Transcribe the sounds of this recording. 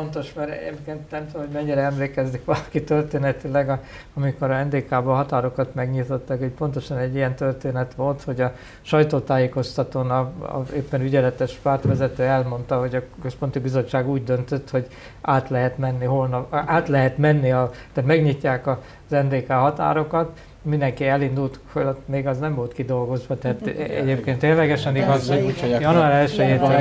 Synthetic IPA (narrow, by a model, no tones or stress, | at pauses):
ont̪o̞ʃmɛɾɛ̰ɟɛmkeːnt̪nɛmt̪ohoɟmɛɲːiɾɛɛmleːkɛzːikʋɒlɒkit̪ørt̪eːnɛt̪ilɛɡɒ | ɒmiko̞ɾɛnd̪eːkaːbɒɦɒt̪aːɾo̞kɒt̪mɛɡɲit̪o̞t̪ːɑkecpo̞nt̪o̞ʃɒnɛɟːijɛnt̪ørt̪eːnɛt̪ʋo̞lt̪ho̞ɟɒ | ʃɒjt̪oːt̪aːjeːko̞st̪ɒt̪oːnɒɒ̰eːpːɛnyɟɛlɛt̪ɛʃpaːrt̪ʋɛzɛt̪øːɛlmo̞nt̪ɒɦo̞ɟɒkøspo̞nt̪ibizo̞t͡ʃːaːɡuːɟd̪ønt̪ø̞t̪ho̞ɟ | ʔaːt̪lɛɦɛt̪mɛnːiɦo̞lnɒaːt̪lɛɦɛt̪mɛnːiɒt̪at̪mɛɡɲicːaːkɒ | zɛnd̪eːkaːɦɒt̪a̰ːɾo̞kɒt̪ | mind̪ɛŋkiɛlind̪ult̪folot̪ːmeːɡɒznɛmvolt̪kid̪o̞lɡo̞zʋɒt̪ɛat̪ɛ̰ɟeːpkeːnt̪eːnlɛɡɛʃɛniɒjɒnuaːɾɛlʃøjeːt̪ː